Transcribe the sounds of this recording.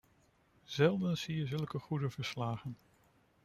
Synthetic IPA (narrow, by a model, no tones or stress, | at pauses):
z̥ɛlˠdənsijəzɵlˠkəχudəvəɹslaːχən